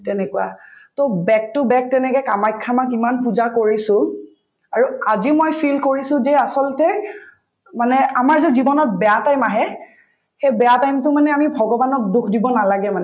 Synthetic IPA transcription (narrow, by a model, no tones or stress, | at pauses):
tɛnɛkuwa̰tobɛk̚tʊbɛk̚tɛnɛkɛkamajkʰːamakimanpuzakoɹisʊ̃ | aɹuazimojpʰilkoɹisʊ̃zɛasɔlɔtɛ | manɛamaɹzɛzibɔnɔt̚bɛjatajmaɦɛ | xejbɛjatajmtʊmanɛamibʱɔɡɔbanɔk̚dukʰdibɔnalaɡɛmanɛ